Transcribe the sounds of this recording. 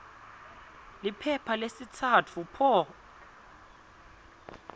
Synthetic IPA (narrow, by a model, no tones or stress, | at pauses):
lɪipʰɛpʰalesitʰatʰupʰɔ